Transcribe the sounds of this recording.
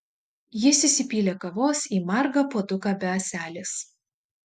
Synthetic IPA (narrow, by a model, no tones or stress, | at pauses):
jɪsʲɪsʲɪpʲiːlʲeːkɐʋoːsiːmɐɾɡɐpoːd̪ʊkɐːbʲɛɐsʲæːlʲɪs